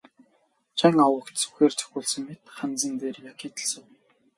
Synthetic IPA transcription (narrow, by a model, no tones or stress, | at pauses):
t͡ɕʰaŋawə̆kt̪t͡sɵ̥xeːrt͡sʰɵ̥xʲuːɮsə̆ŋmet̪χant͡sə̆nt̪eːrjakʰiːt̪ʰə̥̆ɬsə̆w